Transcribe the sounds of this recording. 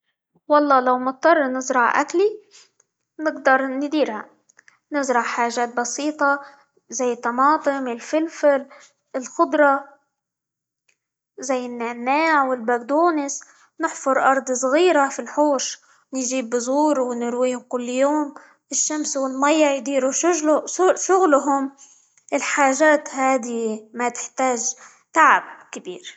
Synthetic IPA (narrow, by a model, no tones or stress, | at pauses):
wɑlˤːɑːlawmʊt̪̚ˤːɑrˤːnɪzɾˤɑʕʔa̰kli | nɪɡd̪ɑɾˤnɪd̪iːɾha̰ | nɪzɾˤɑʕħaːʒaːt̪̚bɑsiːt̪ˤɑ | zajːɪt̪ːɑmɑːt̪ˤɨmɪlfɪlfɪl | ɪlxʊd̪ˤɾˤɑ | zajːɪnːanːaːʕwɪlbaɡd̪uːnɪs | nɪħfʊɾˤʔɑɾˤd̪ˤsˤɣiːɾafilħuːʃ | nʒiːbːɪzuːɾwnɪɾwiːhʊmkʊlːjoːm | ɪʃːamswɪlmajːajd̪iːɾuʃʊʃʊɣlɦʊm | ʔɪlħaːʒaːt̪haːd̪imat̪ɪ̥ħt̪aːʒ | t̪aʕab̚kabḭːɾ